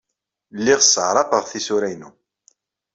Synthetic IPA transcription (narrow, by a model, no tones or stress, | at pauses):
lːiʁsəʕɾˤɑpəʁθisuɾæjnu